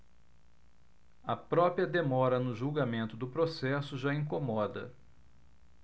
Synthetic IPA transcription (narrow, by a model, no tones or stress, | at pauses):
ɐpɾɔpɾiɐd̪emɔɾɐnʊʒuwɡamẽnt̪ʊd̪ʊpɾosɛsʊʒaĩŋkomɔd̪ɐ̰